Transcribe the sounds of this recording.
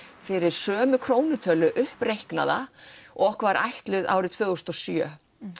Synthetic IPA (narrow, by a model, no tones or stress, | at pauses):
fɪɾɪɾ̥sœːmʏkʰɾoːwnʏt̪ʰœlʏʔʏhprejhkna̰ðaɔhkvaɾʔa̰jht̪lʏða̰wɾɪt̪ʰvœːɣʏst̪ɔsjœː